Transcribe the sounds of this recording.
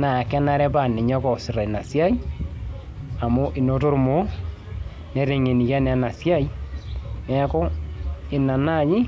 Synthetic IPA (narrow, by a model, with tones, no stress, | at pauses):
na˨kɛ˦na˨ɾɛ˦pa˨ne˨ɲɔ˦kɔ˨si˨ɾa˨i˨na˨sja˦i˦ | a˨mo˦ʔi˨no˦to˦ɾmo˨˦ | ne˨˦ɾe˨ŋe˨ni˨ka˦ne˨a˨na˨sja˦i˦nɛ˦a˦ko˦e˨na˨na˦˨ɲi˦